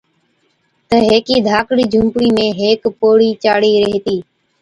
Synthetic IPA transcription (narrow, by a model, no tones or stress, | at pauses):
t̪əɦeːkiːd̪ʱaːkɽiːd͡ʒʱʊ̃mpɽiːmẽːɦeːkpoːɽiːt͡ʃaːɽiːɾəɦt̪iː